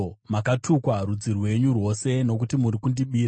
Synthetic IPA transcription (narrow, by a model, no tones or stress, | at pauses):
makatʰukwarud͡zirwe̞ɲurwo̞se̞no̞k̬utimuɾikundiɓiːɾa